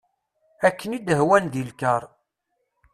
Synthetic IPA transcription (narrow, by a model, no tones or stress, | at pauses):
ækːənid̪əɦwænd̪ilkəɾˤ